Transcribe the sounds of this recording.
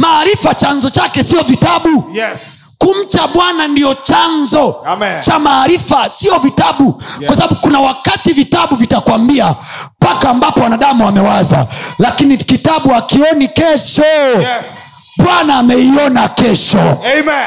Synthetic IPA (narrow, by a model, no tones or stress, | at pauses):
maːɾifat͡ʃanzɔt͡ʃakɛsiɔvitaɓu | kum̩t͡ʃaɓwanandiɔt͡ʃanzɔt͡ʃamaːɾifasiɔvitaɓukwasaɓaɓukunawakativitaɓuvitakwambia | pakaːmbapɔwanaɗamuamɛwaza̰lakinikitaɓuakiɔnikɛʃɔ | ɓwanaːmɛiɔnakɛʃɔ